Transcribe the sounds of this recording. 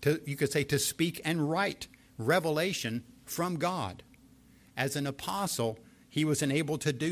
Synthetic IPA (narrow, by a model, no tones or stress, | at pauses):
tʰɨjɨkɨd̥seɪɾɨspikʰɨ̃nɹaɪt | ɹɛvəleɪʃɨ̃nfɹʌ̃mɡɑɾ | ʔɨzɨ̃nəpʰɑsl̩ˠ | iwʌzɨ̃neɪbl̩ˠtʰɨdɨ